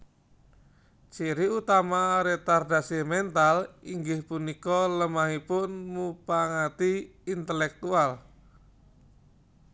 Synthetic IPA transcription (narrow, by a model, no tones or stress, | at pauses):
t͡ʃiɾiut̪amaɾet̪ardasimɛnt̪aliŋɡɪhpunikɔləmaɦipʊnmupaŋat̪iːnt̪əlɛk̚t̪ual